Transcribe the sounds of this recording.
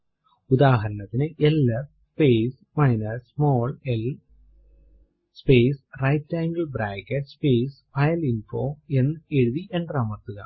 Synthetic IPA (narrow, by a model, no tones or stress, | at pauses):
ud̪aːɦɐɾɐnɐt̪ːinɨʔelːɐ | speːs | mɐjnɐɾsmoːɭel | speːsrɐjtːaːŋɡɐlbɾaːkːɐʈspeːsfɐjɐlinfoːe̞nːɨe̞ɻuðiʔe̞ɳɖraːmɐrt̪uɣɐ̰